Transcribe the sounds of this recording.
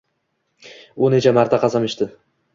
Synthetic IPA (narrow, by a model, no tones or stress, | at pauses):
unet͡ʃʰamaɾt̪ʰaqʰɑzɑmiʃt̪ɪ